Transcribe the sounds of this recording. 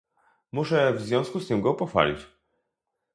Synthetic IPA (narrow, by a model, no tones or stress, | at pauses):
muʂɛvzvʲjɔ̃w̃skust̪ɘmɡɔpɔfa̰lʲḭt͡ɕ